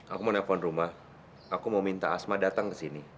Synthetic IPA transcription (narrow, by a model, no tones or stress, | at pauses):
ʔakumənafɔnrumah | akumaumint̪aːsmadat̪aŋkəsini